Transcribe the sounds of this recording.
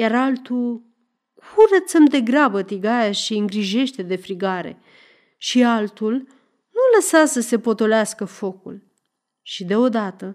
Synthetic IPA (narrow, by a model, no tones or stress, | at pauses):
jaɾalt̪u | kʰurət̪səmd̪e̞ɡɾabət̪iɡajaʃiɨŋɡɾiʒe̞ʃt̪e̞d̪e̞fɾiɡaɾe̞̰ | ʃialt̪ul | nuləsasəse̞po̞t̪o̞leaskəfo̞kṵl | ʃid̪e̞o̞d̪at̪ə